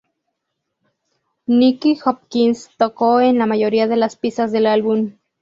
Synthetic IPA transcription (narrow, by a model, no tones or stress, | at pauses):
nikihop̚kinst̪okoenlamajoɾiaðelaspisasðelalβum